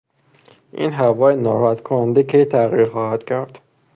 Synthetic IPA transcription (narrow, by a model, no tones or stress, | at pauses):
ʔḭːnɦævɒːjenɒːɾɔhæt̪kʰonænd̪ekʰejt̪ʰæɣiːɾxɒːhæd̪̥cʰæɾd̪̥